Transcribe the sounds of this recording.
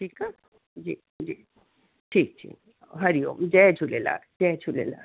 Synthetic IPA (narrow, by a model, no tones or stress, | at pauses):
ʈʰika | d͡ʑi | d͡ʑi | ʈʰik̚t͡ɕʰḭ | ɦəɾio̰md͡ʑɛt͡ɕʰulela̰d͡ʑɛt͡ɕʰulḛla̰